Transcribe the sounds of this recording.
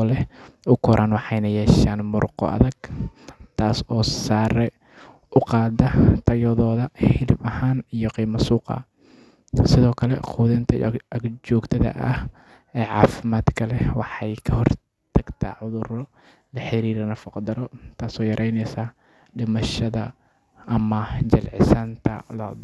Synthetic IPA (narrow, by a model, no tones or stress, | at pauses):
lɛʊkʰɔɾʔaːnwɑħɑjnɐjɛːʃaːnmʊrqɔ̰ʔɐ̰ðɐɡ̥ | t̪ʰaːsɔːsaːɾɛ | ʊqɑːd̪ɐt̪ʰɐjɔðɔːðɐħɪlɪbɐhaːnijɔqiːmɐsuːqɐ̰ | sɪðɔːkʰɐlɛqʰuːðɪnt̪ʰɐj̰ɐɡd͡ʒɔːɡt̪ʰɐðɐ̰ʔɐ̰h | ɛːʕɑ̰ːfɪmaːd̪kʰɐlɛwɑħɑjkʰɐhɔr | t̪ʰɐɡ̥t̪ʰɐʕʊðʊɾɔ | lɐħɪɾiːɾɐnɐfɐqd̪ɐɾɔt̪ʰaːsɔːjɐɾʔɛjnɛjsaː | ɖɪmɐʃɐðɐ | ɐmɐd͡ʒɐlʕɪ̰sant̪ʰɐ̰lɐ̰ːd̪